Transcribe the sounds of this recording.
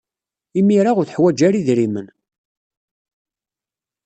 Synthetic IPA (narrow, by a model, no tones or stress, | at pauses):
imiɾaʁʊɾθəħwæd͡ʒæɾiðɾimən